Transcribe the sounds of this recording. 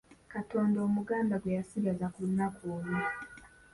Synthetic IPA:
kato̞ːndo̞ːmuɡaːndaɡwejasiɡazakunːakoːna

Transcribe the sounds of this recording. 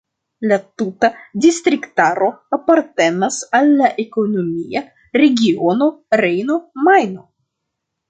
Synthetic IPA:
lat̪utadist̪ɾikt̪aɾo̞apaɾt̪e̞nasalːaʔeko̞nomia | ɾe̞ɡʲiono̞ɾejno̞majno̞

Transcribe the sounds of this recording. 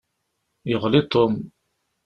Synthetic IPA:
jəʁlit̪ˤːom

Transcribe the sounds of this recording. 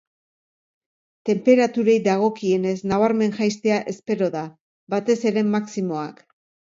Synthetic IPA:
t̪e̞mpe̞ɾat̪uɾe̞jðaɣ̞o̞kie̞ne̞zsnaβ̞aɾme̞nʝajst̪e̞aʔe̞spe̞ɾo̞ða | bat̪e̞se̞ɾe̞mːaksimo̞ak

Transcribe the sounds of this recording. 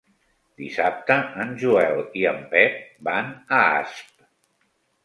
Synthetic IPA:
d̪isap̚t̪əənʒuɛliəmpɛp̚banəa̰sp̚

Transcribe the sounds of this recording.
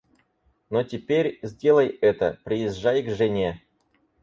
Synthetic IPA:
notʲɪpʲeɾʲzʲdʲe̞lˠəjɛt̪ə̰pɾʲɪɪzʐajɡʐɨnʲe

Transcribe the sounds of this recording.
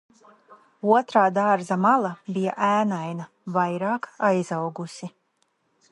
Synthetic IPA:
uɔt̪ɾaːd̪aɾzamalˠabija̰ʔæːnajna | vajɾaːkajzawɡusi

